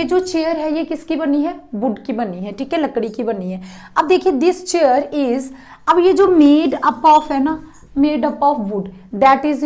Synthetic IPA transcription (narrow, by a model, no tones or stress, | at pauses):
ed͡ʒoːt͡ʃeːjəɾɦɛjekɪskibɐniɦɛbʊɖkibɐniɦɛʈʰiːkɦɛlɐkɽikibɐniɦɛː | ɐb̚d̪eːkʰiẽd̪ɪst͡ʃejəɾɪz | ɐbjed͡ʒoːmeːɖɐpɔːfɦɛna | meːɖɐpɔːfbʊɖ | d̪ɛːʈɪz